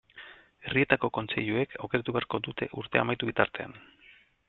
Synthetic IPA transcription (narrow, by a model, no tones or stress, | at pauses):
e̞rie̞t̪ako̞ko̞nt͡se̞̰ʎue̞kʰawke̞ɾat̪uβeaɾko̞d̪ut̪e̞̰ʔuɾt̪e̞a̰majt̪uβit̪aɾt̪e̞a̰n